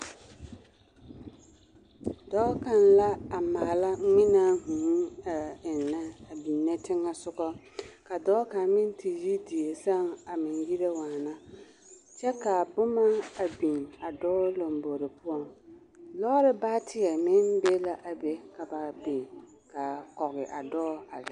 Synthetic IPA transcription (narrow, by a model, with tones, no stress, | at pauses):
dɔː˦ka˨nla˦a˨ma˨la˦mɪ˦na˦hũ˨˦a˨ɪ˨nːa˦a˨bi˨nːɛ˦tʰɪ˦ŋːa˦sʊ˦kɔ˦ | ka˨dɔː˦ka˨n˦mɪ̃˦n˦tʰi˨ji˦di˨e˨sa˦ŋa˨mɪ˨nji˦ɾe˦waː˨na˦ | t͡ʃɛ˦ka˨bʊ˦ma˦a˨bĩ˨na˨dɔː˦lo˨mbo˨ɾɪ˨pʰʊ˦ɔ˨ŋ | lɔ˦ɾɪ˦baː˦tɪ˦ɛ˨mɪ˦nbe˦la˨ʔa˨be˨ka˨ba˨bi˨ŋ | ka˨kɔ˨ɣɪ˨ʔa˨dɔː˦a̰˨lɪ˦